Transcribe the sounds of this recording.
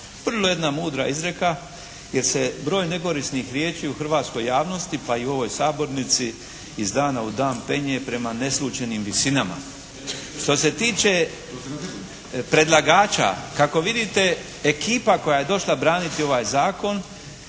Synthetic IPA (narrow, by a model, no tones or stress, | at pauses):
ʋr̩loje̞d̪namuːd̪ɾa̰izɾe̞ka | je̞ɾse̞bɾo̞ːjne̞ko̞ɾisnixɾjeːt͡ʃiːuxr̩ʋaːt̪sko̞jːaːʋno̞st̪ipaiuo̞ʋo̞jsaːbo̞ɾnit̪siː | zd̪aːnaud̪aːmpe̞ɲepɾe̞mane̞slˠuːt͡ʃe̞nimʋisinama̰ | ʃt̪o̞se̞t̪iːt͡ʃe̞ | pɾe̞d̪lˠaɡaːt͡ʃa̰kako̞ʋid̪it̪e̞ː | kiːpako̞jajed̪o̞ʃlˠabɾaːnit̪io̞ʋajzaːko̞n